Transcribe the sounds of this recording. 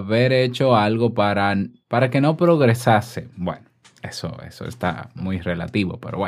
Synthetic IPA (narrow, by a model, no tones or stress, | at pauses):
βe̞ɾe̞t͡ʃo̞alɣo̞paɾanpaɾake̞no̞pɾo̞ɣɾe̞sase̞bwe̞̰no | e̞so̰e̞̰so̞est̪a̰mujre̞la̰t̪iβo̞̰pe̞ɾo̞βwe